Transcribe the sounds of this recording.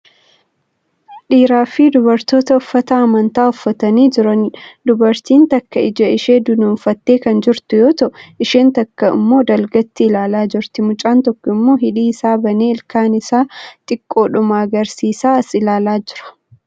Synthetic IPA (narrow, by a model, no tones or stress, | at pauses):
ᶑiːɾaːfɪd̪ʊbɐɾt̪o̞ːt̪ɐʊfːɐt̪ɐɐmɐnt̪aːʊfːɐt̪ɐniːd͡ʒɪɾɐnd̪ʊbɐɾt̪iːnt̪ɐkːɐɪd͡ʒɐɪʃeːd̪ʊnuːnfɐt̪ːe̞ːkɐnd͡ʒɪɾt̪ʊjoːt̪ɐʔɪʃeːnt̪ɐkːɐɪ̰mːo̞ːd̪ɐlɡɐt̪ːɪɪlaːlaːd͡ʒɪɾt̪ɪmʊt͡ʃʼaːnt̪ɔkːɔɪmːo̞ːɦɪᶑiːɪsaːbɐneːɪlkaːnɪsaːt̪ʼɪkʼːo̞ːᶑʊmaɐɡɐɾsiːsaːɐsɪlaːlaːd͡ʒɪɾɐ̥